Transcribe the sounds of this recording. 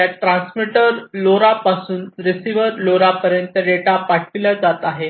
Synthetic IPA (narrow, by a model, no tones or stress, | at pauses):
jaʈɾãnsmiʈəɾloɾapasuːnɾisiʋəɾloɾapəɾjənt̪əɖeʈapaʈʰʋilad͡zat̪aɦe